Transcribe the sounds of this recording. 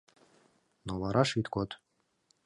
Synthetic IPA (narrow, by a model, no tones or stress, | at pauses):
novɑɾɑʃit̪kot̪